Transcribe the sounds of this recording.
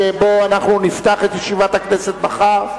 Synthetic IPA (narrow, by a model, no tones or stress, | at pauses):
ebo̞anaχnunift̪aχet̪jeʃivat̪akneset̪̚baχaʁ